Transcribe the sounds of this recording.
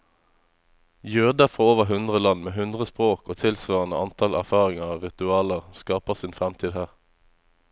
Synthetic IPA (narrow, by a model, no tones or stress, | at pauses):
jøːd̪əfʁɑːoːʋəʁɦʉnd̪ʁəlɑnmeːɦʉnd̪ʁəspʁoːkoːt̪ʰɪlsʋɑːʁənəɑnt̪ʰɑlæ̰ʁfɑːʁɪŋəɑʁɪt̪ʉɑːləʁskɑːpəʁsiːnfʁɛmt̪ʰiːd̪hæːʁ